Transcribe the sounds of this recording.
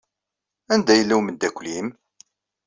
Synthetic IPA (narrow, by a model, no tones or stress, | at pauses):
ænd̪æjəlːæwmənd̪ækʷːlim